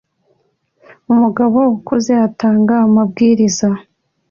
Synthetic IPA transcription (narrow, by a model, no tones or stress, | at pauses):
umuɡaβoukoze̞ataːŋɡaːmab̚ɡiːɾiza